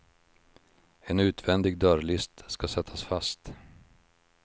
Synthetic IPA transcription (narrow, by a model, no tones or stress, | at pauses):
ɛnʉ̟ːt̪vɛnd̪ɪɡd̪œɾɭɪst̪skasɛt̪ʰːasfast̪